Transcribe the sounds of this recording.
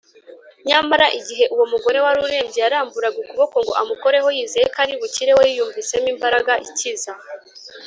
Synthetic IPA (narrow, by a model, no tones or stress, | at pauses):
ɲamaɾaʔiɟiɦe̞ʔuwomuɡo̞ɾe̞waɾuɾe̞ːɲɟejaɾaːmbuɾaɡikuβo̞ko̞ŋɡo̞̰ʔamuko̞ɾe̞ɦo̞jiːzejekʰaɾdiβuciɾe̞wojijuːɱvise̞miːmbaɾaɡaʔiciza